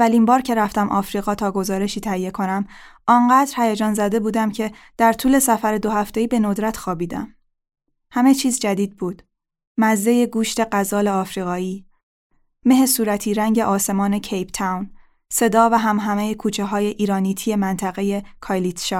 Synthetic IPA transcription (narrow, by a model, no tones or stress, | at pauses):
ælimbɒːɾcʰe̞ɾæft̪æmʔɒ̰ːfɾiːɣɒːt̪ʰɒːɡo̞zɒːɾe̞ʃiːt̪ʰæhije̞kʰo̞næmʔɒŋɢæːd̪ɾhæjæd͡ʒɒːnzæd̪e̞buːd̪æmcʰe̞ | d̪̥æɾt̪ʰuːle̞sæfæɾe̞d̪o̞hæft̪e̞iːbe̞nod̪ɾæt̪ʰxɒːbiːd̪æ̰m | hæme̞t͡ʃʰiːzd͡ʒæd̪iːd̪̚buːd̪̥ | mæzːe̞je̞ɡuːʃt̪e̞ɢæzɒːleɒːfɾiːɣɒːiː | me̞ɦesuːɾæt̪ʰiːɾæŋɟe̞ʔɒːse̞mɒːne̞cʰejpt̪ʰæwn | se̞d̪ɒːvæɦæmɦæmejekʰuːt͡ʃʰeɦɒːje̞ʔiːɾɒːniːt̪ʰije̞mænt̪ʰæɣe̞je̞kʰɒjlit̪ʃɒ